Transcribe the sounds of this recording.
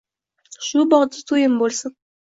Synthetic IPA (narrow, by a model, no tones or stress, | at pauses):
ʃubɑʁd̪ət̪ʰujəmbolˠsən